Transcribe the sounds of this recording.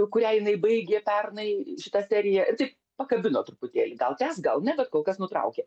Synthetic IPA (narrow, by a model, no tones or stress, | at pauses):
kʊɾʲæːjɪnɐɪbɐɪɡʲeːpʲɛrnɐɪʃʲɪt̪ɐsʲæːɾʲɪjæʔɪrt̪ɐɪp | pɐkɐbʲɪnoːt̪ɾʊpʊt̪ʲeːlʲiɡɐlˠt̪ʲæːsɡɐlˠnʲɛbʲɛt̪koːlˠkɐsnʊt̪ɾɐ̰ʊkʲeː